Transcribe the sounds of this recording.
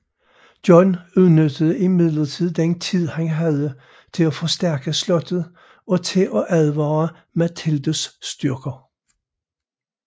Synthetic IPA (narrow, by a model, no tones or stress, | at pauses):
d̥jɒnuðˠnød̥əð̩ˠəimið̰ˠlɐt͡sʰið̞̰ˠd̥ent͡sʰið̰ˠhæŋɦæðˠə | t͡sʰe̝læfɒ̽sd̥æɐɡ̥əslɔ̽d̥ð̩ˠ | ɒ̽t͡sʰe̝ʔɒ̽ʔæðˠʋɑː | mæt͡sʰeld̥o̝sːd̥yɐɡ̥ɐ